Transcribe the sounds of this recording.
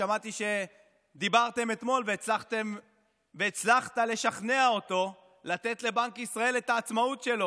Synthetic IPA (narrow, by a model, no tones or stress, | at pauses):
amat̪iʃe̞ | d̪ibaʁt̪e̞me̞t̪mo̞lveːt͡slaχt̪em | veːt͡slaχt̪ale̞ʃaχne̞ao̞t̪o̞ | lat̪e̞t̪le̞baŋkisʁae̞le̞t̪aːt͡smaut̪ʃe̞lo̞